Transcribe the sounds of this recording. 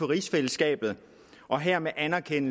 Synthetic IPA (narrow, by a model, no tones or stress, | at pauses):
ɒʁisfeləsɡ̥ɛ̰ːb̥ð̞̩ˠ | ʔɒ̽ɦeɐ̰meʔænæɐkʰen̰